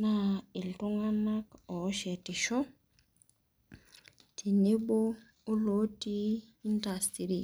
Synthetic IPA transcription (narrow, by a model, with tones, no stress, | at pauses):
na˨ɪ˨ltʊ˦ŋa˦na˦kɔ˨˦ʃɛ˨tɪ˨ʃɔ˦ | tʰi˨nɪ˦boː˦ | lo˦tiː˦n˦da˨sti˨ɾi˨